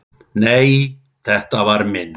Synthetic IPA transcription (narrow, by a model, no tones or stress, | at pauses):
neːj | θɛht̪avaɾmɪnː